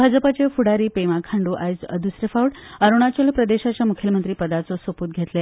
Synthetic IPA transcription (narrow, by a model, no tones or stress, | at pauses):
bʱad͡zəpat͡ɕefuɽaɾiːpemakʰaɳɖuːʔa̰jd͡zə̰d̪usɾefawɽəɾuɽ̃at͡ɕəlpɾəd̪eɕat͡ɕjamukʰilmə̃nt̪ɾiːpəd̪at͡sɔsəpuːt̪̚ɡʱet̪le